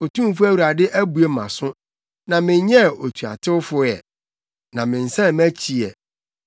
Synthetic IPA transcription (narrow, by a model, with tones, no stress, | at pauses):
o˨tʰũ˦m˦fʊ˦æ˦wu˨ɾa˨dɪ˦ʔæ˦bu˨e˦mã̰˨sʊ̃˦ | nã˨mɪ̃˨˦ɲɛ˦˨o˨tʰu˨a̰˨tʰɪ˦wʊ˦fʊ˦jɛ̰˨ | nã˨mɪ̃˨n̩˨sã˦˨mæ̃˦t͡ɕʰi˨ɛ˨